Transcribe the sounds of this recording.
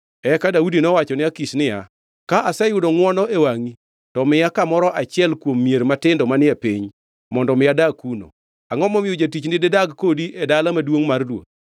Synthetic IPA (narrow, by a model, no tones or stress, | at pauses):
ɛkadaudinɔwat͡ʃɔnɪakisnɪja | kaʔasɛjʊdɔŋwɔnɔʔewaŋi | tɔmɪjakamɔɾɔʔat͡ʃɪɛlkwomːijeɾmatɪndɔmanɪapiɲ | mɔndɔmɪjadakuno̰ | aŋɔmɔmɪjod͡ʒatit͡ʃndɪdedaɡkodiʔɛdalamadwoŋmardwo̰d̚